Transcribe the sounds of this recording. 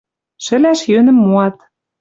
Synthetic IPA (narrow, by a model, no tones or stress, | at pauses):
ʃɘ̆læʃjønɘ̆mːoɑt̪